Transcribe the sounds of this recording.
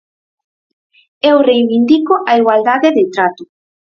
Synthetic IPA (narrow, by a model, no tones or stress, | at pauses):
ewrejβind̪ikoʔaiɣwald̪aðeðet̪ɾat̪o